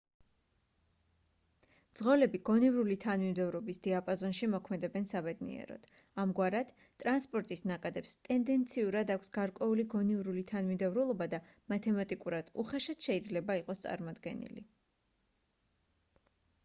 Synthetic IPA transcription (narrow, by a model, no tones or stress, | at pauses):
md̪z̥ʁɔlɛbiɡ̥ɔnivɾulit̪ʰanmimd̪ɛvɾɔbisd̪̥iapʼazɔnʃimɔkʰmɛd̪ɛbɛnsabɛd̪nḭɛ̰ɾɔ̰d̪̥ | amɡwaɾad̪̥ | t̪ʼɾanspʼɔɾt̪ʼisnakʼad̪ɛpst̪ʼɛnd̪ɛnt̪sʰiuɾad̪akʷʰsɡ̥aɾkʼwɛuliɡɔnivɾulit̪ʰanmid̪ɛvɾulˠɔbad̪a | mat̪ʰɛmat̪ʼikʼuɾad̪̥uχɛʃat̪ʃɛid̪zlɛbaiqʼɔst̪sʼa̰ɾmɔd̪ɡɛ̰nḭlḭ